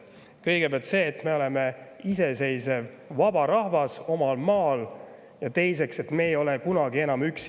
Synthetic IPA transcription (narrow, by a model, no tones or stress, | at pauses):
kɤjɡ̥e̞pæɑlt̪se̞ːt̪me̞o̞le̞meise̞se̞jse̞vː | ɑbɑɾɑhvɑso̞mɑlmɑːl | jɑt̪e̞jse̞kse̞t̪me̞ːjo̞lekunɑɡie̞nɑmyks